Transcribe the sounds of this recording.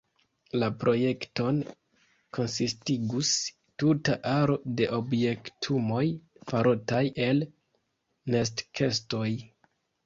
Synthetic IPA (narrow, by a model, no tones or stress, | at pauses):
lapɾʔo̞je̞kto̞n | kʰo̞nsistiɡus | tutaʔaɾo̞de̞ʔo̞bje̞ktʰumo̞jfaɾotajʔe̞l | nes̬tkʰe̞sto̞j